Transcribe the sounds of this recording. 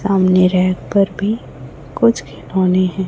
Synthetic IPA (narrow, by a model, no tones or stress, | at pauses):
saːmneɾɛɦkpɐɾbʱi | kʊt͡ʃʰkʰɪnoːneɦɛ̃ː